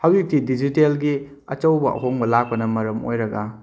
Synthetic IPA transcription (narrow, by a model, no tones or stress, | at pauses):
hawik̚tidid͡ʒitelɡi | ɐ̰t͡ʃɐwbɐʔɐ̰ɦoŋbɐlak̚pɐnɐmɐɾɐmo̰jɾɐɡa